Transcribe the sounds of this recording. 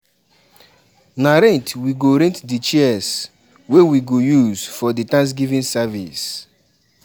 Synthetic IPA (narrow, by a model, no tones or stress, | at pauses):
naɾɛ̃ntwiɡoɾẽntdit͡ʃiɛs | wewiɡojuzfɔditãns̬ɡivĩnsavḭs